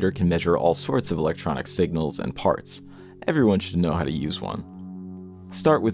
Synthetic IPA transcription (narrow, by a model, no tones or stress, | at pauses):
ɾə˞kʰn̩mɛʒə˞ʔɔ̰lˠsɔɹtsʌvəlɛk̚tʰɹ̥ɑ̰nɨ̰ksɪɡ̚nl̩ˠzɨ̰̃npʰɑ̰ɹts | ʔɛvɹiwʌ̃nʃɨdⁿnoʊɦaʊɾɨjʉzwʌ̰̃n | stɑɹʔwʔɨ